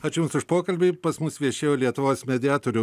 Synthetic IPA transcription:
ɐt͡ʃjuːmsʊʃpoːkɐlʲbʲɪpɐsmʊsʋʲiɛʃʲeːjoːlʲiɛt̪ʊʋoːsmʲɛd̪ʲɪjæːt̪oːɾʲʊ

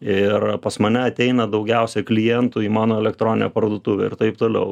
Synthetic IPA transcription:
ɪrpɐsmɐnʲɛɐt̪ʲɛɪnɐd̪ɐʊɡʲɛʊsʲɛklʲɪjɛnt̪ʊiːmɑːnoːɛlʲɛkt̪ɾoːnʲɪnʲo̰pɐrd̪oːt̪ʊːʋʲɛ̰ːɪrt̪ɐɪpt̪oːlʲɛʊ

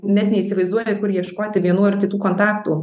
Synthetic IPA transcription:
nʲɛt̪nʲɛiːsʲɪʋɐɪzd̪uɔjkʊɾjiɛʃkoːt̪ʲɪʋʲiɛnuːɪɾkʲɪt̪uːkoːnt̪ɑːkt̪uː

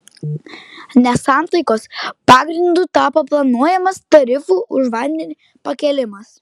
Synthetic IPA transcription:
nʲɛsɑˑnˑt̪ɐɪkoːspɑːɡɾʲɪnd̪uˑt̪ɑːpɐplˠɐnuɔjɛmɐst̪ɐɾʲɪfuːʔʊʃʋɐnʲd̪ʲɛnʲi | pɐkʲɛlʲɪmɐs

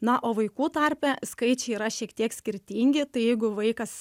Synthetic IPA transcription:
nɐʔoːʋɐɪkuːt̪ɐɾʲpʲɛskɐɪt͡ʃʲɛɪiːɾɐʃʲiɛkt̪ʲiɛksʲkʲɪɾʲt̪ʲiːŋʲɡʲɪt̪ɐɪjɛɪɡʊʋɐɪkɐs

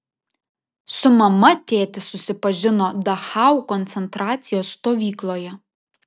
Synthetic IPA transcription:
sʊmɐmɐt̪ʲeːt̪ʲɪsʊsʲɪpɐʒʲɪnoːd̪ɐxɑʊkɔnʲt̪sʲɛnt̪ɾɑːt̪sʲɪjoːsːt̪oːʋʲiːklˠoːjɛ

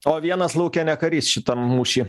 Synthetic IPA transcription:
oːʋʲiɛnɐslˠɐʊkʲɛnʲɛkɐɾʲiːsʃʲɪt̪ɐmuːʃʲiː

